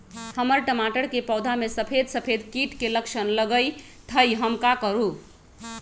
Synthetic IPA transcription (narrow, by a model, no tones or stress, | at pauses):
həməɾʈəmaʈəɾkepəwd̪ʱamesəpʰed̪səpʰed̪kiʈkeləkʃʰənləɡəjt̪ʰəjɦəmkakəɾu